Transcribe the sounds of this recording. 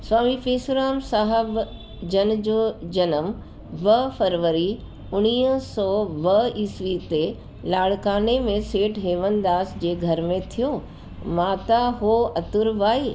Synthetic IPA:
swaːmifeːsʊɾaːmsaːɦəb | d͡ʑɐnd͡ʑod͡ʑɐnəm | ʋɐfɐɾʋəɾi | ʊñiːɦsɔːʋɐiːsʋit̪e | laːɽkaːnemẽseːʈɦeːʋənd̪aːsd͡ʑeːɡʱɐɾmẽt̪ʰijoː | maːt̪aɦoɐt̪ʊɾʋaːiː

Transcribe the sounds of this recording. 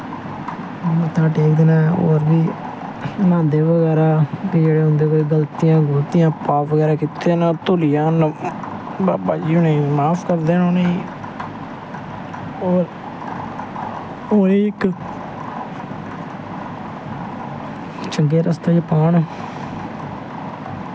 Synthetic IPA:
mət̪ãːʈeːkd̪eːnãːo̰ːɾbiː | nãːnd̪eːʋəɡɛːɾaːbiːd͡ʒeːɽeːɦʊ̃nd̪eːkoːiːɡəlt̪ijãːɡəlt̪ijãːpaːʋəɡɛːɾaːkɪt̪eːnaːt̪olɪjãːn | baːbaːd͡ʒiːʊɳeːmaːpʰkəɾd̪eːnoːne | oːɾ | oːɾeːɪk | t͡ʃəŋɡeːɾəst̪eːd͡ʒpaːɳ

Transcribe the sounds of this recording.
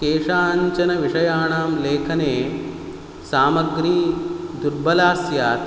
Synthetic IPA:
keːʂaːɲt͡ʃɐnɐʋiʂɐjaːɳaːmleːkʰɐneː | saːmɐɡɾiːd̪uɾbɐlaːsjaːt̪

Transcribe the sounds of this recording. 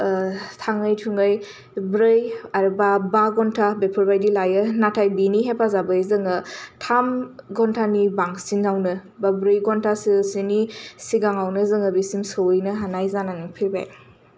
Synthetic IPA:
tʰaŋɯjtʰuŋɡɯj | bɾɯjaɾbabaɡɔntʰabepʰuɾbajdilajɯnatʰajbiniɦepʰazabɯzɯŋɯtʰamɡɔntʰanibaŋsinawnɯ | babɾɯjɡɔntʰasisinisiɡaŋawnɯzɯŋɯbisimsɯwɯjnɯɦanajzananɯŋpʰiɾba̰j

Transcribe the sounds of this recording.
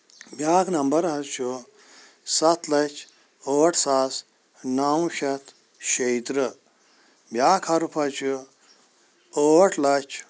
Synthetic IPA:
bjaːknɐmbɐɾɦɐt͡ʃʰu | sɐt̪ʰlɐt͡ʃʰ | oːʈʰsaːs | naːw̃ʃɐt̪ʰ | ʃejt̪ɾɨ | bjaːkʰɐɾupʰɐt͡ʃʰu | oːʈʰlɐt͡ʃʰ

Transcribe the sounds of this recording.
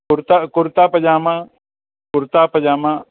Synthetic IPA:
kʊɾt̪akʊɾt̪aːpɐd͡ʒaːmã | kʊɾt̪aːpɐd͡ʒaːmã

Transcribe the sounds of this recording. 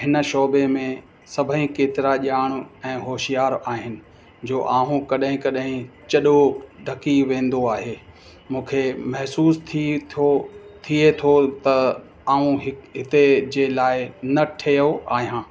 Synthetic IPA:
ɦɪnʃoːbemẽ | sɐbʱəɦĩkeːt̪ɪɾaʄaːɽ̃ʊɛ̃ːɦoːʃijaːɾaːɦɪnɪ̆ | d͡ʑoːʔaːɦũkɐɗɦɪ̃kɐɗɦɪ̃t͡ɕɐɗoɖʱɐkiʋẽːn̆d̪oaːɦeː | mũːkʰemɐɦsuːst̪ʰot̪ʰiet̪ʰot̪ɐ | aːũɦɪɦɪt̪ed͡ʑeːlaːɪnɐʈʰejoʔaːɦijãː

